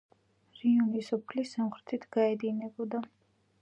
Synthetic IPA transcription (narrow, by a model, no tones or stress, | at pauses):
ɾiunisɔpʰlisamχɾɛt̪ʰit̪ʰɡ̥aɛd̪inɛbɔd̪a